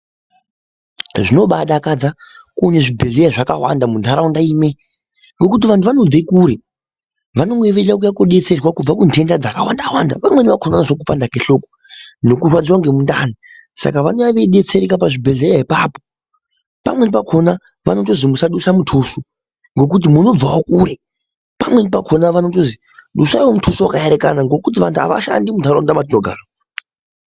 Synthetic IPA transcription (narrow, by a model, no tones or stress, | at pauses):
ʐino̞ɓaɗakad͡zakuneʐibʱeɮejaʐakawa̰ndamundʱaɾaundaime | ŋɡo̞kutiʋantʰuʋanod͡zekuːɾe | ʋano̞ŋɡeʋeɲak̬ujakoɗe̞t͡se̞rwakub͡vakuntʰe̞ndad͡zakawandawanda̰pamwe̞niʋakʰonanaʐok̬upandakeɬo̞ko | no̞kurwad͡ziwaŋɡemunda̰ni | sa̰kaʋanoaʋeiɗet͡seɾekapaʐibʱeɮejaɦipaːpo | pa̰mwe̞nipakʰo̞na | ʋa̰no̞to̞zimusaɗusamutʰuːsu | ŋɡo̞k̬ut̬imuno̞b͡vaokuːɾe | pamwe̞nipakʰo̞naʋanotozi | ɗusawomutʰusuwakaeɾekanaŋɡo̞kut̬iʋa̰ntʰua̰ʋa̰ʃa̰ndimundaɾondamat̬inoɡʱa̰ːra